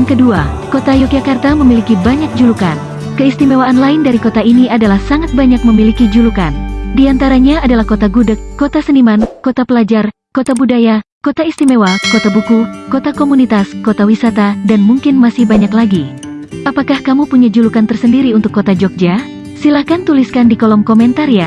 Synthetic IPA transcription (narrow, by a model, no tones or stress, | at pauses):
ŋkəduakot̪ajɔkjakart̪aməmilikibaɲak̚d͡ʒulukan | kəist̪imewaːnlaɪndaɾikot̪ainiadalahsaŋat̪̚baɲak̚məmilikid͡ʒulukandiant̪aɾaɲaːdalahkot̪aɡudəkːot̪asənimankot̪apəlad͡ʒar | kot̪abudajakot̪aist̪imewakot̪abukukot̪akomunit̪askot̪awisat̪adanmuŋkɪnmasɪhbaɲaklaɡi | ʔapakahkamupuɲad͡ʒulukant̪ərsəndiɾiunt̪ʊkːot̪ad͡ʒɔk̚d͡ʒa | silahkant̪uliskandikolɔmkɔmɛnt̪aɾia